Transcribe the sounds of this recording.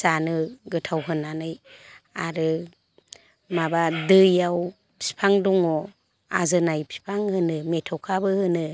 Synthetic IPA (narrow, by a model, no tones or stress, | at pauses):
sanɯɡɯtʰawɦɯnanɯjaɾɯ | mabadɯjaw | pʰi̥pʰaŋduŋɔ | a̰zɯnajpʰi̥pʰaŋhɯnɯmetʰɔkʰabɯhɯnɯ